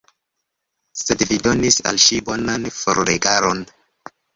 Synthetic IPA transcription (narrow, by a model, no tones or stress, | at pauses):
se̞dvido̞nisa̰lʃibo̞nanfo̰ɾɾeɡaɾo̞n